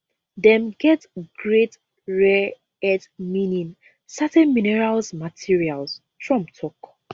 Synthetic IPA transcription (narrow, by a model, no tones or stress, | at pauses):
dɛ̃mɡɛtɡɹet | ɹɛ | ɛdmĩnĩn | sɛtɛ̃nminɛɹalsmatʰiɹials | fɹɔ̃mtʰɔk